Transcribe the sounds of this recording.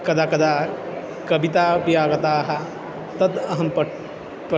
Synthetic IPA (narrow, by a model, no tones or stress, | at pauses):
kɐd̪akɐd̪a | kɐbit̪apjaɡət̪aɦa | t̪əd̪əɦəmpə | p